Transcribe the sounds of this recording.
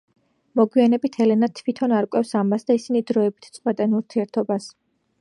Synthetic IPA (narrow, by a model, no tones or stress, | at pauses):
mɔɡwianɛbit̪ʰɛlɛnat̪ʰvit̪ʰɔnaɾkʼwɛfsamasd̪aisinid̪ɾɔɛbit̪ʰt̪sʼwbat̪ʼanuɾt̪ʰiɛɾt̪ʰɔbas